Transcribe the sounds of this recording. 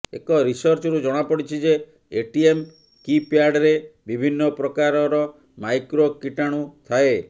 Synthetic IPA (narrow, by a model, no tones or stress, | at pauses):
ḛkɔɾisɔɾt͡ʃɔɾud͡ʒɔɽ̃apɔɽit͡ʃʰid͡ʒe | eʈiem | kipjaɖɾebibʱinːɔpɾɔkaɾɔɾɔ | majkɾokiʈaɽ̃ut̪ʰae